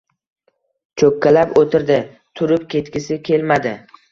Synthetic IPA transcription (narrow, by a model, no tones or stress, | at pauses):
t͡ʃʰokʲʰːalapot̪ʰɪɾd̪ɪ | t̪ʰʊɾɪpkʲʰe̞t̪kʲɪsɪkʲʰe̞lmad̪ɪ